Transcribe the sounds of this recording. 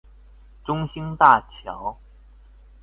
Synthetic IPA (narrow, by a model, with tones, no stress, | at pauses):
ʈ͡ʂʊ˥ŋɕi˥ŋt̪a˥˩t͡ɕʰjɑ˧˥˦ʊ